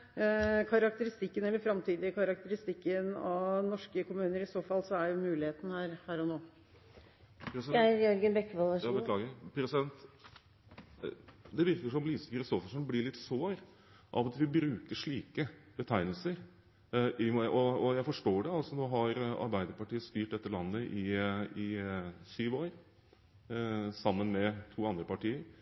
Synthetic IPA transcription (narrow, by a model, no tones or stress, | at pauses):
kʰɑɾɑk̚t̪əɾɪst̪ɪkːənɛlːəɾfɾɑmt̪ʰiːd̪ɪəkʰɑɾɑkt̪əɾɪst̪ɪkːənɑʋnɔʂkəkʊmʉːnəɾɪsoːfɑlsɔæjʊmʉːlɪheːt̪nəhæːɾhæːɾɔnoː | pɾɛsjɔɾɡənbɛkːʋɑləɑbəlɑːɡpʰɾɛsɪd̪ɛnt̪ | d̪ɛʋɪɾkəʂɔmliːsə̥fɪlʊsoːfʂɛnblɪɭɪt̪ːsoːɾ | ʔɑ̰ʋɑt̪ʋɪbɾʉːkəʂɭiːkəbət̪ʰæɪnəl̩səɾ | ɪmʔɔɔjæɪfɔʂʈoːɖɛɑlsɔnoːɦɑɾɑ̰ɾbæɪd̪əɾpɑʈiːəst̪yːʈ̚d̪ɛt̪ːəlɑnːəʔɪɪsyːʋoːɾ | sɑmːənmɛt̪ʰuːɑnd̪ɾəpɑʈiːəɾ